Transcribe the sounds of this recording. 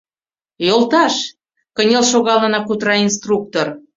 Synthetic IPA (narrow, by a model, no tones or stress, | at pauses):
jolˠt̪ɑʃ | kənʲelʃoɣɑlənɑkut̪rɑinst̪ruk̚t̪or